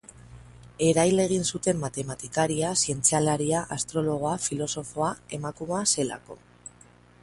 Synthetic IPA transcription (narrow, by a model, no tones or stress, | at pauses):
e̞ɾajle̞ɣ̞insut̪e̞mːat̪e̞mat̪ikaɾiasie̞nt͡sialaɾiaʔast̪ɾo̞lo̞ɣ̞oafilo̞so̞fo̞ae̞makumase̞la̰ko̞